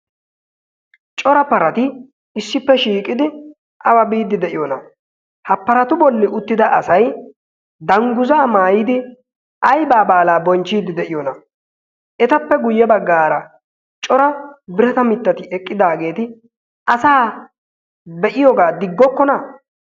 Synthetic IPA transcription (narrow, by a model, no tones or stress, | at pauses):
t͡ʃʼɔɾɐpɐɾɐt̪ɪ | ɪsːɪpːɛʃiːkʼɪd̪ɪ | ʔɐwɐbiːd̪ɪd̪ɛʔɪjɔnɐ̰ | hɐpːɐɾɐt̪ʊbɔlːɪʔʊt̪ːɪd̪ɐʔɐsɐj | d̪ɐŋɡʊzaːmaːjɪd̪ɪ | ʔɐjbaːbaːlaːbɔnt͡ʃːiːd̪ɪd̪ɛʔɪjɔnɐ | ʔɛt̪ɐpːɛɡʊjːɛbɐɡːaːɾɐ | t͡ʃʼɔɾɐbɪɾɛt̪ɐmɪt̪ːɐt̪ɪɛkʼːɪd̪aːɡe̞ːt̪ɪ | ɐsaː | bɛʔɪjɔɡaːd̪ɪɡːɔkːɔnɐ